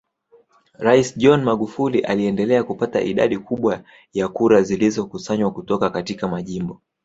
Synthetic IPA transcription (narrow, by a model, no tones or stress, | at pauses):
ɾaisʄɔnmaɠufuliʔaliɛndɛlɛakupata̰ʔiɗa̰ɗikuɓwa | jakuɾazilizɔkusaɲwakutɔkakatikamaʄimbɔ